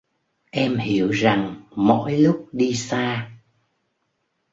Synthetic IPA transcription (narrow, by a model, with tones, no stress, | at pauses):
ʔɛ˧mhi˧˨əwza˨˩ŋmɔ̰˧˥jlʊ˦˥k͡p̚ɗi˧saː˧